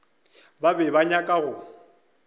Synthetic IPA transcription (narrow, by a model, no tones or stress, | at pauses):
babɛβaɲakʼaɣʊ